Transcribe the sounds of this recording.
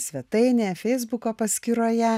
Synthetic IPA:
sʲʋʲɛt̪ɐɪnʲeːfʲɛɪzbʊkoːpɐsʲkʲiɾoːjɛ

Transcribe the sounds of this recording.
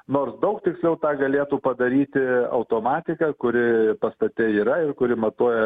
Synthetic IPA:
noːrsd̪ɐʊkt̪ʲɪksʲlʲɛʊt̪ɑːɡɐlʲeːt̪uːpɐd̪ɐɾʲiːt̪ʲɪɐ̰ʊt̪oːmɑːt̪ʲɪkɐkʊɾʲɪpɐst̪ɐt̪ʲɛiːɾɐɪrkʊɾʲɪmɐt̪uɔjɛ

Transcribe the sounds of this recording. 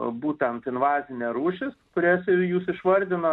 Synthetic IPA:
buːt̪ʲɛnt̪ɪnʋɑːzʲɪnʲɛːɾuːʃʲɪskʊɾʲeːsɪjuːsɪʃʋɐɾʲd̪ʲɪno

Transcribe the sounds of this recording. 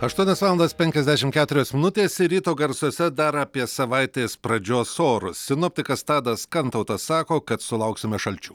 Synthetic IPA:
ɐʃt̪uɔnʲɛsʋɑːlˠnd̪ɐspʲɛŋʲkʲɛzʲd̪ʲæːʃʲɪmkʲæːt̪ʊɾʲoːsmʲɪnʊt̪ʲeːsɪɾʲiːt̪oːɡɐɾsoːsʲɛd̪ɐɾɐːpʲiɛsɐʋɐɪt̪ʲeːspɾɐd͡ʒʲoːsoːɾʊssʲɪnoːpʲt̪ʲɪkɐst̪ɑːd̪ɐskɐnt̪ɐʊt̪ɐsɑːkoːkɐt̪sʊlˠɐʊksʲɪmʲɛʃɐlʲt͡ʃʲuː

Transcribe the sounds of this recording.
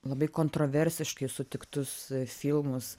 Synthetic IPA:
lˠɐbɐɪkoːnt̪ɾoːʋʲɛɾʲsʲɪʃkɐɪsʊt̪ʲɪkt̪ʊsfʲilˠmʊs

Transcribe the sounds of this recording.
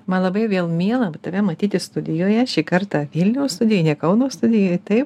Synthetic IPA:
mɐnlˠɐbɐɪʋʲeːlˠmʲiɛlˠɐt̪ɐʋʲɛmɐt̪ʲiːt̪ʲɪst̪ʊd̪ʲɪjoːjɛʃʲiːkɐɾt̪ɑːʋʲɪlʲnʲɛʊst̪ʊdʲɪjonʲɛkɐʊnoːst̪ʊd̪ʲɪjoːt̪ɐɪp

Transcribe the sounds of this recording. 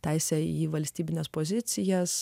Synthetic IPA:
t̪ʲæˑɪsʲɛiːʋɐlʲsʲt̪ʲiːbʲɪnʲeːspoːzʲɪt̪sʲɪjɛs

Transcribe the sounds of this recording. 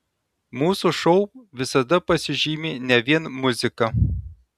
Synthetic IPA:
muːsuʃɔʊʋʲɪsɐd̪ɐpɐsʲɪʒʲiːmʲɪnʲɛʋʲiɛnmʊzʲɪkɐ

